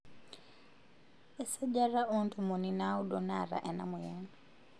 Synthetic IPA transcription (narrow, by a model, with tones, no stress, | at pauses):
ɛ˦sa˦ɟa˦ɾa˦ʔɔntʰumu˨ninau˦ɗɔnaɾa̰˨ʔɛ˨na̰mu˨jɛːna